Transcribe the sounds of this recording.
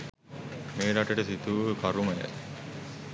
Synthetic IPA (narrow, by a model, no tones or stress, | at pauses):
meːɾaʈəʈəsit̪uʋəkaɾuməjə̰